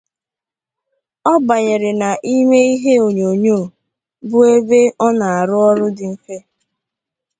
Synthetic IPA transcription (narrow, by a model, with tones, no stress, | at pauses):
ɔ˦ba˨ɲe˨ɾe˨na˨ʔi˦me˦i˦ɦe˦o˨ɲo˨ɲoː˦˨ | bʊ˦e˦be˦ʔɔ˦na˨a˨ɾʊ˦ɔ˦ɾʊ˦dɪ˨ŋ̩˦ke˦